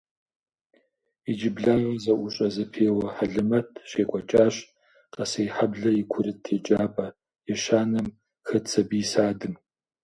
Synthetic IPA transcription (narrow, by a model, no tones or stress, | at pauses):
id͡ʒɪbɮaːʁɐzɐʔʷʊɕʼɐzɐpʰeːwɐħaɮɨmɐtʰɕeːkʷʼɔt͡ʃʼaːɕʼ | qɐsɐjħabɮɐikʷʰʊɾɨtʰeːt͡ʃʼaːpʼɐ | ɛʃaːnɐm | xɐt͡sʰɐbiːsaːdɨm